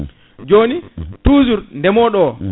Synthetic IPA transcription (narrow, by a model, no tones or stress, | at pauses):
d͡ʒoːnituːzuɾndɛmɔɗɔ